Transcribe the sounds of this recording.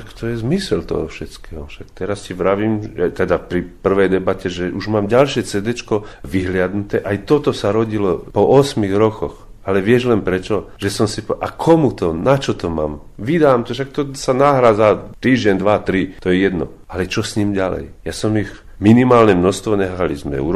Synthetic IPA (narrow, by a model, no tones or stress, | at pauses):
ʃakt̪ɔjɛzmisɛlt̪ɔ̰ɦɔfʃɛt͡skɛːɦɔʃakt̪ɛɾascɛʋɾaʋiːmjat̪ɛd̪apɾipr̩ʋɛjd̪ɛbacɛʒɛʔuʒmaːmɟalʃɪɛt͡sɛd̪ɛt͡ʃkɔʋiɦlɪad̪nut̪ɛʔajt̪ɔt̪ɔsaɾɔɟilɔpɔʔɔsmiɣɾɔkɔx | alɛʋɪɛʒlɛnpɾɛt͡ʃɔʒ̥ɛsɔmsipʔakʰɔmut̪ɔnat͡ʃɔt̪ɔmaːm | ʋid̪aːmt̪ɔʃak̚t̪ɔsanaːɦɾad͡zat̪iːʒɟɛnd̪ʋat̪ɾit̪ɔjɛjɛd̪nɔ̰ | ʔalɛt͡ʃɔsɲiːmɟalɛ̰jjasɔmiɣ | minimaːlɲɛmnɔxst̪ʋɔɲɛxalizmɛ̰ṵːɾɔ